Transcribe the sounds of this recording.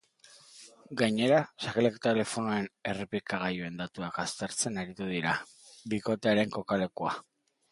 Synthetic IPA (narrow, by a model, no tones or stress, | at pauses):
ɡajɲe̞ɾasakelekt̪ele̞fo̞nuaene̞repikaɣ̞ajue̞nd̪at̪uakast̪e̞ɾt͡se̞naɾit̪uðiɾa | biko̞t̪e̞aɾe̞ŋko̞kale̞kua